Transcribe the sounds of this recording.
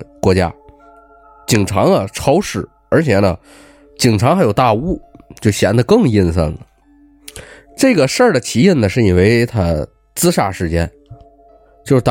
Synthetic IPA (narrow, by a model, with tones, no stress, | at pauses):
kwɔ˧˥t͡ɕja̰˥ | t͡ɕi˨˩ŋʈ͡ʂʰɑ˧˥ŋlə˧ʈ͡ʂʰɑ˥ʊʂɻ̩˨˩˦ | ə˞˧˥t͡ɕʰjɛ˨˩nə̰˦ | t͡ɕi˨˩ŋʈ͡ʂʰɑ˧˥xjo˨˩ʊt̪a˥˧u˥˩t͡ɕjo˥˩ʊɕjɛ˧˥nd̪ə˧kɤ˥˧ŋi˥˧nsə̰˥˩nd̪ə˩ | ʈ͡ʂɤ˥˩ɡə˩ʂə˞˥˩də˩t͡ɕ̪ʰi˧˥i˥˩nnə˩ʂɻ̩˥˩i˨˩we˧˥ɪt̪ʰa̰˥ | t͡sɹ̩˥ʂa̰˥˩ʂɻ̩˥˩t͡ɕjɛ̰˥n | t͡ɕjo˥˧ʊʂ̩˥˧t̪